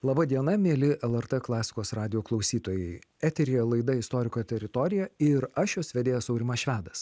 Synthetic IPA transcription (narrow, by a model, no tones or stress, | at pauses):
lˠɐbɐd̪ʲiɛnɐmʲeːlʲɪʔɛlˠɛɾt̪ɛklˠɑːsʲɪ̥koːsɾɑːd̪ʲɪjoːklˠɐʊsʲiːt̪oːjɛɪæːt̪ʲɛɾʲiːjɛlˠɐɪd̪ɐɪst̪oːɾʲɪkoːt̪ʲɛɾʲɪt̪ɔːɾʲɪjɛɪɾɐʃjoːsʋʲɛd̪ʲeːjɛsɒʊɾʲɪmɐʃʲʋʲæːd̪ɐs